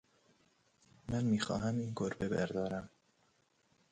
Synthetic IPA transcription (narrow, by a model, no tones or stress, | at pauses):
mænmiːxɒ̰ːɦæmiːnɡoɾbebæ̰ɾd̪ɒːɾæm